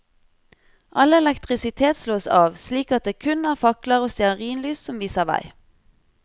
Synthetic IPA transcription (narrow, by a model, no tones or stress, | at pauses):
ʔɑləɛlɛkt̪ʁɪsɪt̪ʰeːt̪sloːsɑːʋsliːkɑt̪̚d̪eːkʰʉnæːʁfɑkləʁoːst̪ɛəʁiːnlyːssɔmʋiːsəʁʋæ̰ɪ